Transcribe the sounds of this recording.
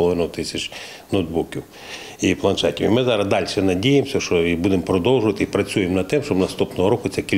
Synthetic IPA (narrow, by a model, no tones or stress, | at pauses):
lˠɔʋɪnʊʊt̪ɪsʲɐt͡ʃ | nod̪̚bukʲiw | iplˠɐnʃɛtʲiwimɪzɑɾɐzd̪ɑlʲʃɛnɐdʲijemsʲɐʃt͡ʃɔibud̪empɾɔd̪ɔwʒʊʋɐt̪ɪipɾɐt͡sʲujemnɐd̪̚t̪ɛmʃt͡ʃɔbnɐst̪upnɔɦɔɾɔkʊt̪t͡sʲɛkʲilʲ